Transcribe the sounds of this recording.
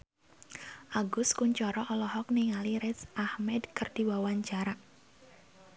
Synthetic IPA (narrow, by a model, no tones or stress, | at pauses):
ʔaɡʊskuɲt͡ʃɔɾɔʔɔlɔɦɔk̚niŋaliɾɛsʔahmɛdkɨrd̥iwawaɲt͡ʃaɾa